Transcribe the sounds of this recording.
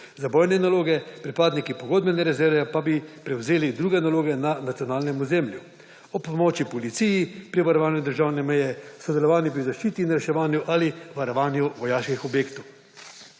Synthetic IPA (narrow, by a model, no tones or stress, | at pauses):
zabɔjnɛnaloːɡɛpɾipaːd̪nikipɔɡoːd̪̚bɛnɛɾɛzɛɾʋɛpabipɾɛwzeːlid̪ɾuːɡɛnaloːɡɛnanat̪sijɔnaːlnɛmuzemlju | ɔpmoːt͡ʃipɔlit̪sijipɾiʋaɾɔʋaːnjud̪əɾʒaːwnɛmɛjɛsɔd̪ɛlɔʋaːnjipɾizaʃt͡ʃiːt̪inɾɛʃɛʋaːnjuʔaliʋaɾɔʋaːnjuʋɔjaːʃkixɔbjeːkt̪ɔw